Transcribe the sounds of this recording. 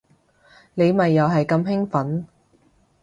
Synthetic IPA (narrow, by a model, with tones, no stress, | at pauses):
ne˨˧jmɐ˨jːɐ˨˧wɦɐ˨jkɐ˧mɦɪ˥ŋfɐ˨˥n